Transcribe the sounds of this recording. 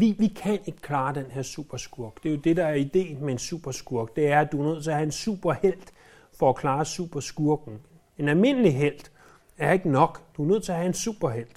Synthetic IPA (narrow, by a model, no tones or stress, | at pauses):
ʋiʋikʰæne̝ɡ̥ə̥kʰlɑ̈ːd̥enɦeɐsṵb̥ɐsɡ̥uɐɡ̥d̥e̝jo̝d̥e̝d̥ɑ̈æɐid̥e̝̰ːnmeensṵb̥ɐsɡ̥uɐɡ̥d̥e̝æɐæd̥uɐnøð̰ˠt͡sʰe̝ɐhæe̝nsṵːb̥ɐhel̰d̥ | fɒ̽ækʰlɑ̈ːsṵːb̥ɐsɡ̥uɐɡ̥n̩ | e̝nælme̝n̰əliɦel̰d̥ | æɐe̝ɡ̥ənɒ̽ɡ̥d̥uæɐnøð̰ˠt͡sʰe̝ɐɦæe̝nsṵːb̥ɐɦel̰d̥